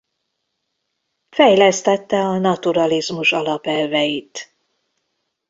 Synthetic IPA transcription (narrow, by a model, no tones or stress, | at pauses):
fɛjlɛst̪ɛt̪ːɛɒnɒt̪uɾɒlizmuʃɒlɒpɛlvɛjit̪